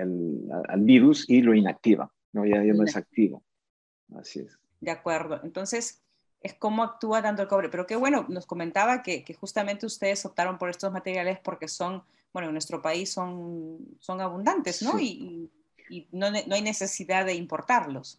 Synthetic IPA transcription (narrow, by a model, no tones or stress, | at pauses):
ela̰a̰lbiɾusiloinak̚t̪iβa̰ | nojaanoesak̚t̪iβo̰ | a̰siḛs | d̪eakwe̞ɾðo̞ʔent̪o̞nse̞s | e̞sko̞mo̞ak̚t̪uat̪ant̪oelko̞βɾe̞pe̞ɾo̞ke̞βwe̞no̞no̞sko̞me̞nt̪aβake̞ke̞xust̪ame̞nt̪eust̪e̞ð̞eso̞p̚t̪aɾo̞mpo̞ɾe̞st̪o̞zmat̪eɾjale̞spo̞ɾke̞so̞n | bwenonwest̪ɾopaisːo̞nso̞ŋaβ̞und̪ant̪e̞zno̞iiː | nonoajne̞se̞siðaðe̞impoɾt̪aɾlo̞s